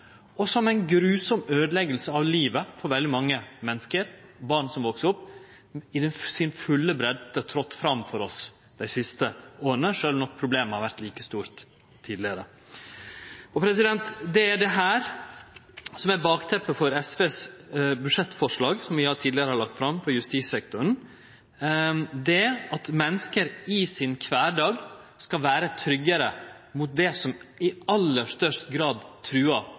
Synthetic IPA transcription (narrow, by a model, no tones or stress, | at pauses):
ɔsɔmæɪnɡɾʉːsɔmøːd̪lɛɡəlsəɑʋliːʋəfɔɾʋɛld̪ɪmɑŋːəmɛnːəskəɾbɑɳsɔmʋoksəʊpː | ɪd̪ɛnsɪnfʉlːəbɾɛd̪ət̪ʰɾɔt̪ːfɾɑmfɔɾɔs | d̪̥æɪsɪst̪əoːɾənəʂøːlʋnɔk̚ːpʰɾʊbleːməhɑɾʋæɾt̪liːkəst̪uːɾt̪ʰː | iːd̪lɪəɾə | ɔpʰɾɛsɪd̪ɛnt̪d̪ɛæɖɛɦæːɾ | sɔmæbɑːkt̪ʰɛpːəfɔɾɛsʋeːsbʉʂɛt̪ːfɔʂɭɑːɡsɔmʋɪɑt̪ʰiːd̪lɪəɾəhɑɾɭlɑkt̪fɾɑmpʰɔjʉst̪iːsɛkt̪ʊɾən̩ | d̪ɛɑt̪mɛnːəskəɾɪsɪnkʰʋæːɖɑːɡ | skɑʋæːɾət̪ʰɾʏɡːəɾə | mʊt̪̚d̪ɛsɔmɪɑlːəʂt̪œʂt̪ɡɾɑːd̪t̪ʰɾʉːɑ